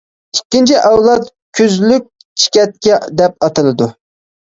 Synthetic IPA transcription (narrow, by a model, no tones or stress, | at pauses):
ikʲːint͡ʃʰiʔɑwlˠɑt̪ | kʲʰyzlyk̚ʲ | t͡ʃʰi̥kʲɛt̪̚kʲɛd̪ɛp̚ɑt̪ɨlˠɨd̪u